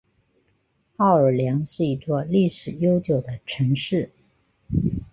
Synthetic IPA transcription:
ɑ˥˩ʊə˞˨˩ljɑ˧˥ŋʂɻ̩˥˩i˧˥t͡swɔ˥˧li˥˩ʂɻ̩˨˩jo˥ʊt͡ɕjo˨˩ʊd̪ə˦ʈ͡ʂʰɤ˧˥ŋʂɻ̩˥˩

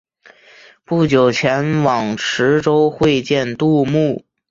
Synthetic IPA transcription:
pu˥˩t͡ɕjo˨˩ʊt͡ɕʰjɛ˧˥nwɑ˨˩ŋʈ͡ʂʰɻ̩˧˥ʈ͡ʂo˥ʊxwe˥˧ɪt͡ɕjɛ˥˧nt̪u˥˧mu˥˩

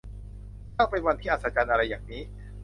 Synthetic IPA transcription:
t̪ʰaː˥˩pe˧nwa˧nt̪ʰiː˥˩ʔa˨˩t̪̚sa˦˥˩t͡ɕa˧nʔa˧ɾa˧jːaː˨˩ŋniː˦˥

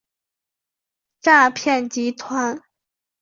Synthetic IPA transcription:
ʈ͡ʂa˥˧pʰjɛ˥˩nt͡ɕi˧˥t̪ʰwa˧˥n

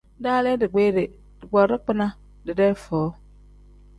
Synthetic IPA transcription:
da˦le˦dɪ˨ɡ͡be˦ɾe˨ | dɪ˨ɡ͡bɔ˨ɾɪ˦k͡pɪ˦na˦ | dɪ˨de˦fɔː˨˦

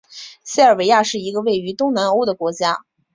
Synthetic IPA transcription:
ɕi˥ə˞˥˩we˧˥ɪja˥˧ʂɻ̩˥˩i˧˥ɡə˧we˥˩ɪy˧˥t̪ʊ˥ŋna˧˥no˧˥ʊd̪ə˨kwɔ˧˥t͡ɕja˥

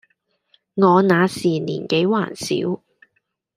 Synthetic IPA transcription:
ŋɔː˨˧naː˨˧siː˨˩nḭː˨˩nke˨˥jwa̰ː˨˩nsḭː˨˥w

